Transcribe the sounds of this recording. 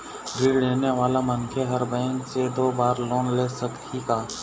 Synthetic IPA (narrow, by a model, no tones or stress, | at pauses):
ɾiːleːneʋaːlamənkʰeɦəɾbɛ̃ːŋksed̪oːbaːɾloːnleːsəkt̪ʰikaː